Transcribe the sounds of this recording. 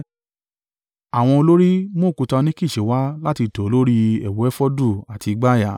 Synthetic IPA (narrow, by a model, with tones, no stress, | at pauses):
a˨w̃ɔ̃˧o˧lo˦ɾi˦mo˦˨ku˧tã˧nĩ˦ki˦˨ʃe˨˦wa˦la˦ti˧to˨o˧lo˦ɾi˦ɛ̰˨wo˨˦ɛ˦fɔ˦du˦˨a˨ti˧ɡ͡ba˦˨ja˨˦